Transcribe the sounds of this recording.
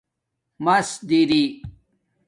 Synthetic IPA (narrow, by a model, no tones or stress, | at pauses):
mɐsd̪iːɾi